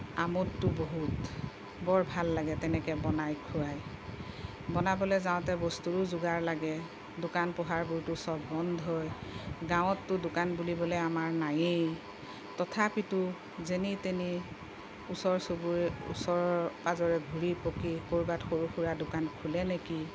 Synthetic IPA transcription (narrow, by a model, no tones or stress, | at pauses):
amɔtːʊboɦut | bɔɹbʱalːaɡɛtɛnɛkɛbɔnajkʰuɹaj | bɔnabɔlɛzaʊ̃tɛbɔstuɹʊzʊɡaɹlaɡɛ | dʊkanpɔɦaɹbuɹtʊsɔbbɔndʱɦɔjɡãw̃ɔtːʊdʊkanbulibɔlɛamaɹnajej | tɔtʰapitʊ | zeniteni | usɔɹsobuṵsɔɹɔpazɔɹɛɡʱuɹipokikoɹbatxoɹuxuɹadʊkankʰulɛneki